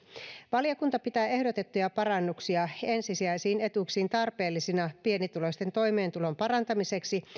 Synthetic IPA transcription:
ʋɑljɑkunt̪ɑpit̪æːe̞hdot̪e̞t̪ːujɑpɑrɑnːuksiɑe̞nsisiæjsiːne̞t̪uksiːnt̪ɑrpe̞ːlːisinɑpie̞nit̪ulo̞sʲt̪e̞nt̪o̞jme̞ːnt̪ulo̞mpɑɾɑnt̪ɑmise̞ksi

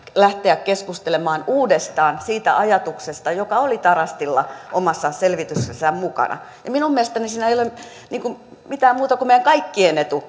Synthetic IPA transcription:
læht̪eækkeskust̪elemɑːnuːdest̪ɑːnsiːt̪æ̰ʔɑjɑt̪uksest̪ɑjokɑolit̪ɑrɑst̪ilːɑ̰ʔomɑsːɑselʋit̪yssesːæmmukɑ̰nʔɑ̰ | jɑminummiæst̪ænisiːnæeijolem | niːŋkummit̪æːmmuːt̪ɑkumeijæŋkɑikːienet̪u

